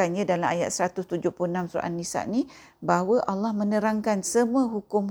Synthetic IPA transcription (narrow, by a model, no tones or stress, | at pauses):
anɲãdalamaja̰t̪̚səɾat̪ʊst̪ud͡ʒʊhpluənamsua̰ʔa̰nːisa̰ʔni | baɦwəʔalːahmə̃nəɾaŋkansəmuəɦukʊm